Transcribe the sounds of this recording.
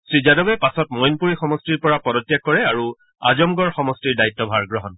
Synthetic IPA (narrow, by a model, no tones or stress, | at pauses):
sɹizadɔbɛpasɔtmɔjnpuɹixɔmɔstiɹpɔɹapɔdɔtjakːɔɹɛaɹu | a̰zɔmɡɔɹxɔmɔstiɹdajtːɔbʱaɹɡɹɔɦɔn